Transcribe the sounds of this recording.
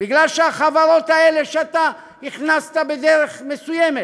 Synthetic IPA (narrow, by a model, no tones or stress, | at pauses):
biɡlalʃeaχavaɾo̞t̪aele̞ʃeat̪a | niχnast̪abed̪eʁeχme̞sujeme